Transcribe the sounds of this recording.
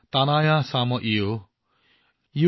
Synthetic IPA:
t̪anajasamɔʔio | ju

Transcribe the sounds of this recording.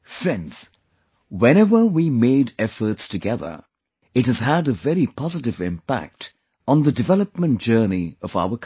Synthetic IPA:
fɹɛ̃ndz̥ | wɛ̃ñɛvə˞wimeɪɾɛfə˞tstʰɨɡɛðə̰˞ | ɨt̚hɨz̥əɾɨvɛɹipʰɑzɨɾɨvɪ̃mpæ̰k̚t | n̩ðɨdɨvɛlˠəp̚mə̃nd̥ʒ̥ɜ˞niʌva̰ʊə˞kʰ

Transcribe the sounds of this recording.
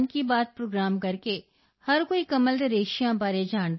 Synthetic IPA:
nkibaːt̪̚pɾoːɡɾaːmkɐɾke | hɐɾkoːikɐməld̪eɾeːʃijãbaːɾed͡ʒaːn

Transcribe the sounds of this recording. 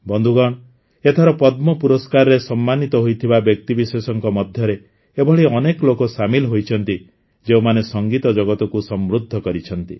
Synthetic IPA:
bɔnd̪ʱuɡɔɽ̃ | et̪ʰɔɾɔpɔd̪mɔpuɾɔskaɾɔɾesɔmːanit̪ɔɦojt̪ʰibabjɔk̚t̪ibisesɔŋkɔmɔd̪ʱjɔɾe | ebɔɭiɔneklokɔsamilɦojt͡ʃʰɔnt̪i | d͡ʒeumanesɔŋɡit̪ɔd͡ʒɔɡɔt̪ɔkusɔmɾud̪ʱːɔkɔɾit͡ʃʰɔnt̪ḭ

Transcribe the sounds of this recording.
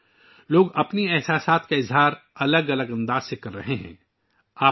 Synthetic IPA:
loːɡɐpniɛɦsaːsaːt̪̚kaɪzɦaːɾɐləɡɐləɡɐ̃nd̪aːz̥sekɐɾːɐɦeɦɛ̰̃ː | aː

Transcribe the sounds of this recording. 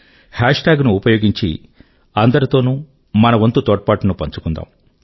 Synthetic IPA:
haːʂʈaːɡnuupɐjo̞ːɡiɲt͡ʃḭ | ɐnd̪ɐɾit̪o̞ːnuː | mɐnɐʋɐnt̪ut̪ɔːʈ̚ɐpaːʈunupɐɲt͡ʃu̥kund̪a̰ːm

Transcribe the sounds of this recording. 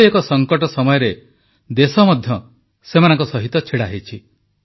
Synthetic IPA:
ekɔsɔŋkɔʈɔsɔmɔjɔɾe | d̪esɔmɔd̪ʱjɔ | semanɔŋkɔsɔɦit̪ɔt͡ʃʰiɽaɦet͡ʃʰi

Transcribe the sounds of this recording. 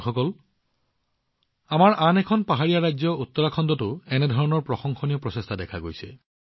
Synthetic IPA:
xɔkɔl | amaɹʔanɛkʰɔnpaɦaɹijaɹajzɔutːɔɹakʰɔndɔtʊɛnɛdʱɔɹɔnɔɹpɹɔxɔŋxʰɔnijɔpɹɔsestʰadɛkʰaɡojsɛ̰

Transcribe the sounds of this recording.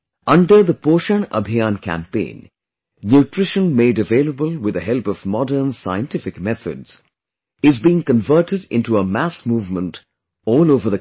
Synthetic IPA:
ʌ̃nɖə˞ðəpoːʃə̃nʌ̰bʱiãnkʰæ̰̃mpḛ̃ɪ̃n | njutɹ̥ɪʃə̃nmeɪdəveɪlˠəbəlˠwɪðəɦɛlˠpʌvmɑdə˞nsaɪɨ̃ntɪfɪkmɛθə̰dz̥ | ɪzbiɪ̃ŋkə̃ɱvɜ˞tɨdɪ̰̃ntuəmæsmuːvmə̃nt | ɔːlˠoʊvə˞ðə

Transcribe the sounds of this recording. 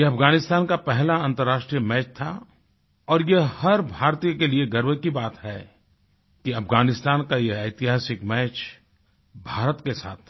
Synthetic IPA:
jeɐpʰɡaːnɪst̪aːnkapɛɦlaɐ̃nt̪əɾːaːʃʈɾijəmɛːt͡ʃt̪ʰa̰ | ɔːɾjehɐɾbʱaːɾt̪ijəkelieɡəɾwəkibaːt̪ɦɛ | kiɐpʰɡaːnɪst̪aːnkajeɐɪt̪ɪɦaːsɪkmɛːt͡ʃ | bʱaːɾət̪kesa̰ːt̪ʰ

